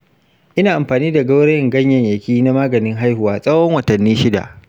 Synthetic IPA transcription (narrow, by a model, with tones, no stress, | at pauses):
ʔɪ˦naː˨ʔa˨mɸaː˨niː˦da˨ɡɐ˦wɽe˦jɪ˨ŋɡɐ˦ɲjɐ˨ɲjɐ˨kʲiː˦na˦maː˦ɡɐ˨nɪ˦ŋɦa˦jhʊ˨waː˦sʼɐ˦wɔ˦ŋwɐ˨tɐ˨nːiː˦ʃɪ˦da̰˨ʔ